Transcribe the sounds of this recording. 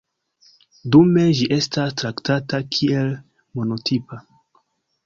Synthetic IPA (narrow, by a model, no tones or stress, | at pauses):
dume̞ʒiʔe̞stastɾaktatakʰie̞l | mo̞no̞tʰipa